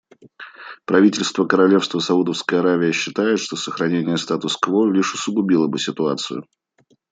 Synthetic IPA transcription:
pɾɐvʲitʲɪlʲst̪vəkəɾɐlʲe̞fst̪vəsɐud̪əfskəjəɐɾavʲɪjəɕːɪt̪ajɪt̪ʂt̪o̞səxɾɐnʲenʲɪjəst̪at̪ʊskvolʲiʂʊsəɡʊbʲilˠəbɨsʲɪt̪ʊat̪sɨ̰jʊ̰

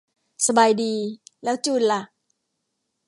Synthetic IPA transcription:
səbajdilɛwt͡ʃula

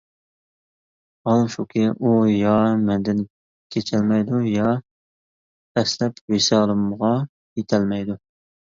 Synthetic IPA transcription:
ɑlˠʃukʲʰɪʔujɑmɛnd̪ɪn | kʲʰet͡ʃʰɛlmɛjd̪ujɑ | ɛslɛpwesɑːlˠəmʁɑ | jet̪ʰɛlmɛjd̪u

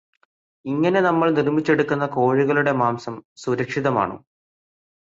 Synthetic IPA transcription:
iŋːɐne̞nɐmːɐɭnirmit͡ɕːe̞ɽukːunːɐko̞ːɻiɣɐɭuɽe̞maːmsɐmsuɾɐkʂiðɐma̰ːɳṵ

